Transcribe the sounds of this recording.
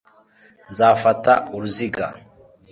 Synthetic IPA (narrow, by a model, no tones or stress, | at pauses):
nzaːfatauɾuziɡa̰